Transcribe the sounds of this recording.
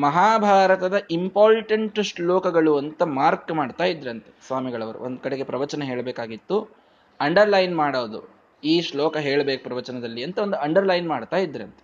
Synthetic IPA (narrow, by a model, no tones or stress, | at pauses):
mɐɦaːbʱaːɾɐt̪ɐd̪ɐʔimpaːɾʈɐɳʈʂɭoːkɐɡɐɭuɐnt̪ɐmaːɾkmaːɖt̪aːjid̪ːɾɐnt̪esʋaːmiɡɐɭɐʋɐɾṵʔond̪ukɐɽeɡe̞pɾɐʋɐt͡ʃɐnɐɦe̞ːɭbeːkaːɡit̪ːu | ɐɳɖɐɾlɐjnmaːɽɐʋd̪u | iːʃlɔːkɐɦeːɭbeːkupɾɐʋɐt͡ʃɐnɐd̪ɐlːiɐnt̪ɐond̪uɐɳɖɐɾlɐjnmaːɽt̪aːjid̪ːɐɾɐnt̪e